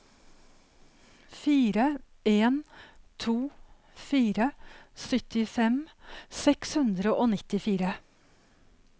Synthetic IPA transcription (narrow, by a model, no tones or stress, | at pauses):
fiːɾə | eːnt̪ʰuː | fiːɾəsʏt̪ɪfɛmsɛkshʉnd̪ɾəʔoːnɪt̪ɪfiːɾə